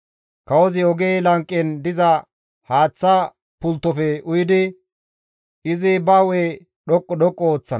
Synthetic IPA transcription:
kɐwɔzɪɔɡeːlɐŋkʼːɛnd̪ɪzɐ | haːt͡sːɐ | pʊlt̪ːɔfɛʔʊjɪd̪ɪ | ɪzɪbaːweː | ɗɔkʼːɔɗɔkʼːɔoːt͡sːɐn

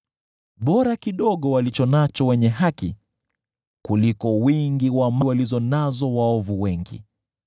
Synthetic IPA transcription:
ɓɔɾakiɗɔɠɔwalit͡ʃɔnat͡ʃɔwɛɲɛɦaki | kulikɔwiŋɡiwamwalizɔnazɔwaɔvuwɛŋɡḭ

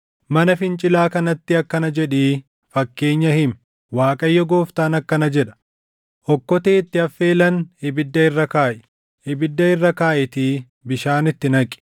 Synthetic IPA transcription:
mɐnɐfɪnt͡ʃʼɪlaːkɐnɐt̪ːɪɐkːɐnɐd͡ʒɛᶑeː | fɐkːe̞ːɲːɐhɪm | waːkʼɐjːɔɡo̞ːft̪aːnɐkːɐnɐd͡ʒɛᶑɐ̥ | ʔɔkːɔt̪eːt̪ːɪɐfːe̞ːlɐnhɪbɪd̪ːɐɪrːɐkaːʔɛ | hɪbɪd̪ːɐɪrːɐkaːʔɪt̪iː | bɪʃaːnɪt̪ːɪnɐkʼɪ̥

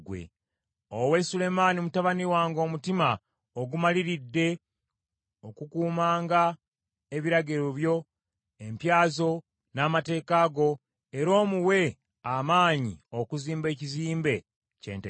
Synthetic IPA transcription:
ɡwḛ | owe̞sule̞maːnimutaβaniwaːŋɡo̞ːmutima | oɡumaliɾidːe̞ | okukuːmaːŋɡa | e̞βiɾaɡeɾoβjo̞ | e̞mpjaːzo̞ | namate̞ːkaːɡo̞ | eɾo̞ːmuwe̞ | amaːɲḭokuziːmbe̞ːciziːmbe̞ | cḛːnte

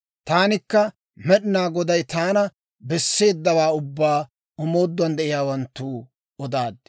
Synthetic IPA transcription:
t̪aːnɪkːɐ | mɛɗɪnaːɡɔd̪ɐjt̪aːnɐ | bɛsːe̞ːd̪ːɐwaːʊbːaː | ɔmo̞ːd̪ːʊɐnd̪ɛʔɪjaːwɐnt̪ːuː | ɔd̪aːd̪ːɛ

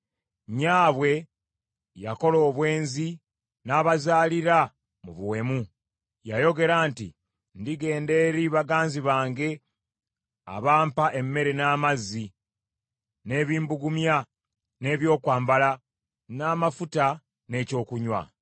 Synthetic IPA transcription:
ɲaːβwe̞ | jako̞lo̞ːβwe̞ːnzi | naːβazaːliɾa | muβuwe̞mu | jajo̞ɡe̞ɾaːntḭ | ndiɡe̞ːnde̞ɾiβaɡaːnziβaːŋɡe̞ | a̰βaːmpaʔe̞mːe̞ɾe̞naːmazːi | ne̞ːβiːmbuɡumja | ne̞ːβjo̞ːkwaːmbala | naːmafuta | ne̞ːco̞ːkuɲwa̰

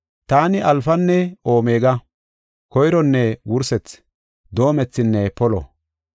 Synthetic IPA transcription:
t̪aːnɪʔɐlfɐnːɛo̞ːme̞ːɡɐ | kɔjɪɾɔnːɛwʊɾsɛt͡s | d̪o̞ːmɛt͡sːɪnːɛpɔlɔ̰

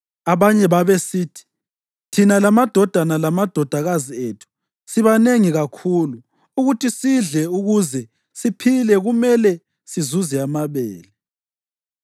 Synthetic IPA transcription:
aβaɲɛβaβesiːtʰi̥ | tʰinalamad̥ʱɔd̥ʱanalamad̥ʱɔd̥ʱaɣazietʰu̥ | siβaneŋiɣakʰuluː | ɣutʰisiɮɛuɣuzɛ | sipʰilɛɣumɛlɛ | sizuzɛamaβɛ̰ːlɛ

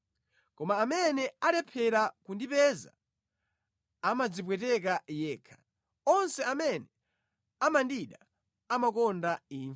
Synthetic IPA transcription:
kɔmaːmɛnɛalɛpʰɛɾakundipɛza̰ | amad͡zipwɛtɛkajɛːkʰḁ | ɔnsɛamɛnɛ | amandiɗa | amakɔndaiːn

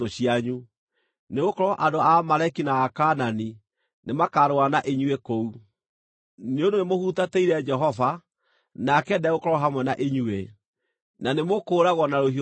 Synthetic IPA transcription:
oɕiaɲu | neɣokɔɾɔʔadoamaɾɛkinaːkanani | nemakaɾoanaʔeɲuekou | neõdonemohutateiɾɛd͡ʒɛɦɔva | nakɛdɛɣokɔɾɔɦamwɛnaʔeɲue | nanemokoːɾaɣwɔnaɾoɦi

